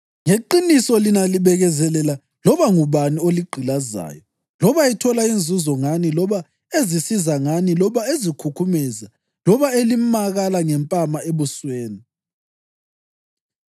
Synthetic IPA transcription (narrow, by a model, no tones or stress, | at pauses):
ŋeǃinisɔlinaliβɛɣɛzɛlɛla | lɔβaŋuβanioliɡ͡ǃʱilaza̰ːjɔ | lɔβaitʰɔlaind͡zʱuzɔŋanilɔβa | ezisizaŋanilɔβaezikʰukʰumɛza | lɔβaelimaɣalaŋɛmpʼamaeβusweːni